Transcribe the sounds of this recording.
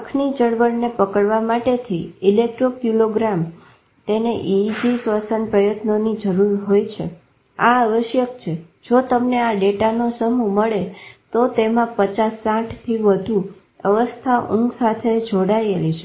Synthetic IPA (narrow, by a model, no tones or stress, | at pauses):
kʰnid͡ʒəɽʋəɽnepəkəɭʋamaʈet̪ʰiɪlek̚ʈɾokjuloɡɾam | t̪eneʔid͡ʒisʋasənpɾəjət̪nonid͡ʒəɾuɾɦojt͡ʃʰḛ | a̰aʋəʃjəkt͡ʃʰe | d͡ʒot̪əmneaɖeʈanosəmuməɭet̪ot̪emãpət͡ʃasːãʈʰt̪ʰiʋəd̪ʱu | əʋəst̪ʰaʔũŋɡsat̪ʰed͡ʒoɽajelit͡ʃʰe